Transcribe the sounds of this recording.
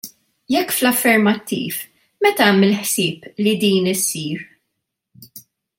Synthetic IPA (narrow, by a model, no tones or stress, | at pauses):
jɛkːflɐfːɛɾmɐt̪ːḭːf | mɛt̪ɐmɪlħsɪːplid̪iːnɪsːiːɾ